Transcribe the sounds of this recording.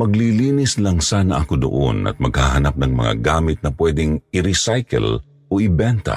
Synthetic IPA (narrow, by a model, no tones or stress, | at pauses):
mɐɡliliːnɪslɐŋsanɐʔakod̪ʊ̰ʔo̰nɐ̰t̪̚mɐɡhaɦɐnap̚nɐŋmɐ̰ŋa̰ɡaːmɪt̪̚nɐpwɛːd̪ɪŋɪɾɪsajkɛ̰l | ʔoʔɪbɛnt̪ɐ̰